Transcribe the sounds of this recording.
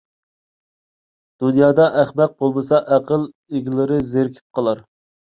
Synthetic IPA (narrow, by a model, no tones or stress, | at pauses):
d̪̥unjɑːd̪ɑʔæχmɛq̚bolˠmɨsɑʔæqʰəlˠ | eɡʲilɪɾɪzeɾkʲʰi̥p̚qʰəlˠɑɾ